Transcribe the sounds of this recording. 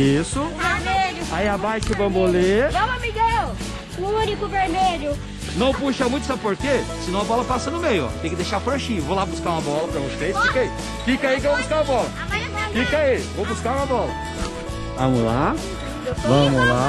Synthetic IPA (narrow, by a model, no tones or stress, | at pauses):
isʊveɾmeʎʊaiabajt͡ʃɪvɐ̃moleɐ̃w̃ɐmiɡɛw | ʊunikʊveɾmeʎʊ | nɐ̃w̃puʃɐmũj̃t̪ʊsabɪpoɾkesɪnɐ̃w̃ɐbɔlɐpasɐnʊmejʊɔ̰t̪ẽj̃kɪd̪ejʃaɾpɾõʃĩevolabuskaɾũmɐbɔlɐpɾɐvoʃfejt̪fikai | fikɐaik̬evobuskaũɐbɔlɐavaɐɔfikaivowbuskaɾũmɐbɔlɐ | vɐ̰̃mʊla | evɐ̃mʊla